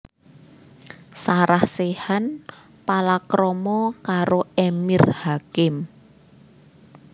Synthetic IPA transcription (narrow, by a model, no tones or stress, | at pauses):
saɾahsehan | palakɾɔmɔkaɾoemirhakɪm